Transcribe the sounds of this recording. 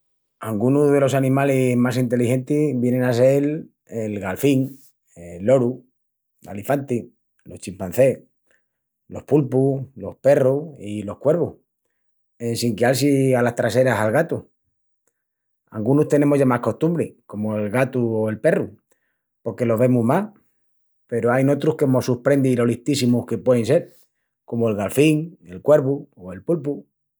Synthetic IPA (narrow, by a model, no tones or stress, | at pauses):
aŋɡunuɦðe̞lo̞sanĩmalehmasint̪e̞lixe̞nt̪iβjenẽ̞nas̬el | elɣalfiŋ | elo̞ɾu | a̰lifant̪i | lo̞ht͡ʃimpan̟θe̞ | lo̞hpulpulo̞hpe̞ruilo̞hkwe̞ɾβoh | ensiŋkjals̬ialast̪ɾase̞ɾasalɣat̪u | alɡunust̪e̞ne̞moʝamahko̞st̪umbɾeko̞moe̞lɣat̪uoe̞lpe̞ru | po̞ɾke̞lo̞βe̞muɦma | pe̞ɾoajno̞t̪ɾuhkemo̞supɾe̞nd̪ilo̞liht̪isimuhke̞pweðense̞ɾ | ko̞moelɣalfiŋe̞lkwe̞ɾβuoe̞lpulpu